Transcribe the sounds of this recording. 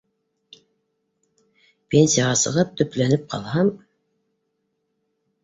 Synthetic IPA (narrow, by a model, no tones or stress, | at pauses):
pʲenʲsʲijaʁɑsɤ̰̆ʁɤp̚t̪ʰɵ̆plænɘp̚qʰɑ̰lˠhɑm